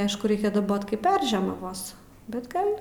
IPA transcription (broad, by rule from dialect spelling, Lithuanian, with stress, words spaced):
ˈɐɪʃkʊ ˈrʲɛɪkʲɛ dɐˈboːt ˈkɐɪp ˈpʲɛrʲʒʲiɛmɐʋoːs bʲɛt ˈɡɐlʲ